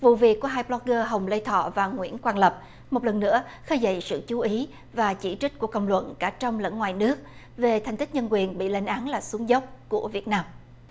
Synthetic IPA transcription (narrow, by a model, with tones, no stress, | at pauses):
vṵ˧˨vi˨˩əkːəɦaː˧jplɔ˦˥k̚ɣəː˧ɦə˨˩wŋ͡mlə˧jt̪ʰɔ̰˧˨vaː˨˩ŋwḭ˧˥ənkwaː˧nlə˨˩p̚ | mo˨˩lə˨˩nːɨ̰˧˥əxəː˧jzə̰˧˨jsɨ̰˧˨t͡ɕu˨˦ʔi˨˦ | vaː˨˩t͡ɕi˧˩t͡ɕi̟˦˥ku˧˩əkə̰˧˨wŋ͡mlwə̰˧˨nkaː˧˩t͡ɕɔ˧wŋ͡mlə̰˧˥nŋwaː˨˩jnɨ˦˥ək̚ | ve˨˩t̪ʰɛ˨˩jŋ̟t̪ï˦˥k̚ɲə˧nkwi˨˩ənɓḭ˧˨la˨˦jnʔaː˨˦nlaː˨˩su˨˦əŋzə˦˥wk͡p̚ku˧˩əvi˨˩ət̚naː˧m